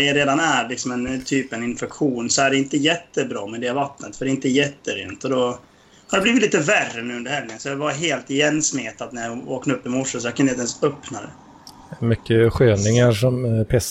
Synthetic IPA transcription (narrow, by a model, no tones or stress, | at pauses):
ɛjɾeːd̪anæɾlɪksɔmɛnt̪ʰyːpɛnɪnfɛkɧuːnsɔæɖɛɪnt̪əjɛt̪ːəbɾɑːmɛd̪ɛvat̪ːnə̰t̪fœɖɛɪnt̪əjɛt̪ːəæɾɛɪ̰nt̪əɔd̪ɔ | haɖɛbliːvɪt̪liːt̪əværːənʉ̟ɵnd̪ɾɦɛlj̪ɪŋənsɔjavaɾɦeːlt̪ɪjɛnːsmeːt̪at̪næɾjao̰ːknɵpːɪmɔʂːəsɔjakʰanɛɛnsœpnad̪ɛ̰ | mʏkːəɧøːnɪŋaɾʂɔmpʰɛs